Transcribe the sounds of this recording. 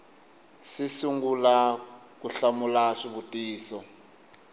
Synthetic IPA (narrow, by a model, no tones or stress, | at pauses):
sisuŋɡulakuɬamulaʂiβutʼiːsɔ